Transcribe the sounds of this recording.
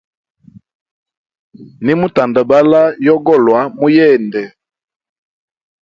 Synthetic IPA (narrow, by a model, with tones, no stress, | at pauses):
ni˦mu˦ta˨nda˨ba˦la˦jɔ˦ɡɔ˦˨lwa˨˦mu˦jɛː˦˨ndɛ˨